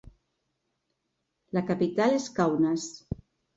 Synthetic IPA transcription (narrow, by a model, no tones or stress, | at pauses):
lakapit̪aleskawnas